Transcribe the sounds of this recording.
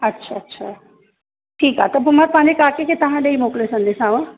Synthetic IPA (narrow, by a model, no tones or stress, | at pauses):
ɐtːʰaɐtːɕʰaː | ʈʰiːkat̪ɐbʱʊmaɾpɐ̃ɦãɲd͡ʑekaːkekʰet̪ɐʋ̤ãɗɐimoːklesɐ̃nd̪esãːʋə̃